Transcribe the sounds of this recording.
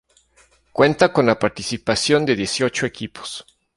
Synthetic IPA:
kwe̞nt̪ako̞nlapaɾt̪isipasjo̞nd̪e̞ðje̞sjo̞t͡ʃoe̞kipo̥s

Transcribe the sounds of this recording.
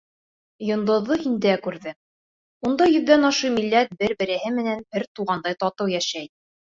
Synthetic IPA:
jŏnd̪ŏðːohind̪ækʉɾðɘ | und̪ɑjɵ̆ðːænɑʃumilːæt̪̚bɘɾbɘ̆ɾɘ̆hɘmɘ̆nænbɘɾt̪uʁɑnd̪ɑjt̪ɑt̪ɤwjæʃæj

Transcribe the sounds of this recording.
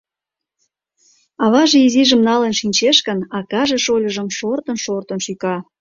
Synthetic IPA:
ɑβɑʒeiziʒə̆mnɑlənʃinʲt͡ɕeʃkənɑkɑʒeʃolʲəʒəmʃort̪ə̆nʃort̪ənʃykɑ

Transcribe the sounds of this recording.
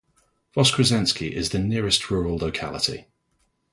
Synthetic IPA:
v̥ɒskʰɹ̥əzɛ̃nskiʔɪzðənɪəɹɪstʰɹɔːɹəlˠəʊkʰa̰lɪ̰tʰḭ

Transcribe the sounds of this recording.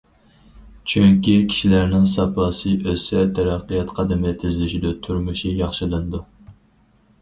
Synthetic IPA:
t͡ʃʰyŋkʲikʲʰi̥ʃilæɾnɪŋsɑpʰɑːsɨʔøsɛt̪ʰɛɾɑqːɨjɑt̪qʰɑd̪ɪmɪlɪt̪ʰɪzlyʃid̪ut̪ʰuɾmuʃijɑχʃɨlˠɨnɨd̪u

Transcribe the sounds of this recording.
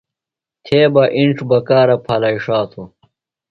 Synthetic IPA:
t̪ʰeːbɐʔiɳʈ͡ʂbɐkaːɾɐpʰɐlɐiʂaːt̪ʰo

